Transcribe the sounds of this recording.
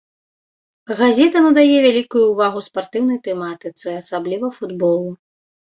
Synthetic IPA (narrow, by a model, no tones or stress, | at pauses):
ɣazʲɛt̪ɐnɐd̪ajɛvʲalʲikujuːvaɣuspart̪ɨwnɐjt̪ɛmat̪ɨt̪sɨasablʲivɐfud̪bɔlˠu